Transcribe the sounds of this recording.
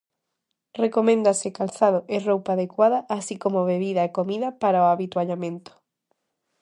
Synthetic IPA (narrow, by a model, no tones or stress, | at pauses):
rekomẽnd̪asekalθaðoʔerowpaːðekwaðaʔasikomoβeβiðaekomiðapaɾaoaβit̪waʎamẽnt̪o̥